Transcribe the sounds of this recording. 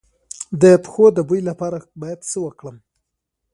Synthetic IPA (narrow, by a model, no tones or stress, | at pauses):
d̪əpxod̪əbujlapɑɾabɑjad̪səwəkɽəm